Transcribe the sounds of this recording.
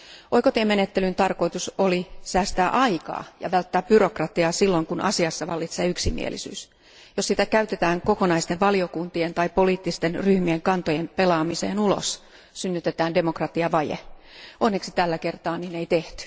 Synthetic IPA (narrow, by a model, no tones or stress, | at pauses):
ʔoikot̪eːmenet̪ːelynt̪ɑrko̞it̪usolisæːst̪æːʔɑikɑ̰ːjɑ̰ʋælt̪ːæːp̚b̥yro̞krɑt̪iɑːsilːoŋkunʔɑ̰siɑsːɑʋɑlːit̪seːyksimḭḛlḭsy̰ːs | jossit̪ækæyt̪et̪æːŋko̞konɑist̪eʋʋɑliokunt̪ient̪ɑipoliːt̪ːist̪enryhmieŋkɑnt̪ojempelɑːmisḛːnulo̰s | synːyt̪et̪æːnde̞mokrɑt̪iɑʋɑjḛʔonːeksit̪ælːækert̪ɑːnineit̪eht̪y̥